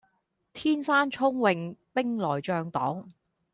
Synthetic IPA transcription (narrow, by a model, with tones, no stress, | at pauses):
t̪ʰiː˥nsaː˥nt͡ʃʰʊ˥ŋwɪ˧ŋpɪ˥ŋlɔː˨˩jt͡ʃœː˧ŋt̪ɔ̰ː˨˥ŋ